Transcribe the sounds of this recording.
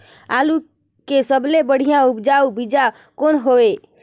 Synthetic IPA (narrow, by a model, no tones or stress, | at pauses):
alu | kesəblebəɽ̤ijãupd͡ʒaubid͡ʒa | konɦoe